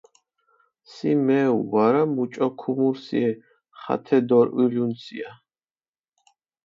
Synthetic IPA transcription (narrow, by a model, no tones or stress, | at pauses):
simɛṵwaɾamut͡ʃʼɔkʰumuɾsḭɛ | χa̰t̪ʰɛd̪ɔɾilunsia